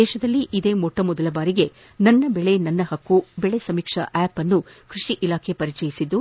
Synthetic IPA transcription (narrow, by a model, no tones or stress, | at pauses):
ɛːʃɐd̪ɐlːiʔid̪e̞ːmɔʈːɐmɔd̪ɐlɐbaːɾiɡe̞ | nɐnːɐbɛɭe̞nɐnːɐɦɐkːubɛɭe̞sɐmiːkʂɐ̰ʔaːpɐnːu | kɾiʂiʔilaːkʰe̞pɐɾit͡ʃɛjisid̪ːu